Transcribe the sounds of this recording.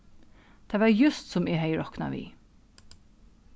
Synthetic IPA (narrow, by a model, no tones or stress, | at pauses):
d̪̥ɛːʋɑːɾjʉst̪sɔmɪhœɪɹɔknɑ̰ʋḭː